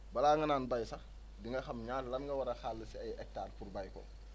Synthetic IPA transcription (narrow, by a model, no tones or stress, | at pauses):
bɐlaːŋɡɐnaːnbɐjsɐ | diŋɡɐxɐmɲaːtlɐnŋɡɐwɐɾɐxaːlːəsiɐjɛk̚taːrpurbɐjkɔ̰